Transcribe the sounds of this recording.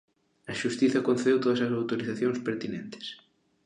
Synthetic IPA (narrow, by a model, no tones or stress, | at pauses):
ɐʃust̪iθɐkonθeðewt̪oðasɐs̬awt̪oɾiθaθjonspeɾt̪inẽnt̪e̥s